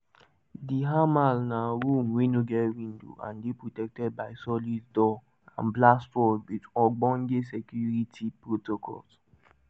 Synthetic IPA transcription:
diɦamalnaɾũmwenoɡɛtwĩndo̰ʔã̰ndepɹotɛk̚tɛd̚baɪsɔlisdɔ | ã̰nblastɔdwitɔɡ͡bɔ̃nɡesɛkjuɹitʰipɹotokʰɔ̰ls

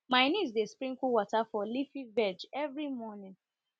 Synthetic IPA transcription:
mãɪnĩz̬despɹĩŋkuwɔtafɔlifivɛd͡ʒɛvɹimɔnĩn

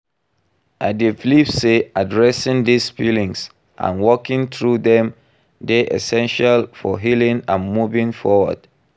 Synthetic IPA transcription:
ʔadeflipseadɹɛsĩŋdisfilĩŋs | ʔã̰nwɔkĩŋθɹuðɛ̃m | deʔɛ̰sɛ̃nʃalfɔɦilĩŋãnmuvĩŋfɔwə̰d̥

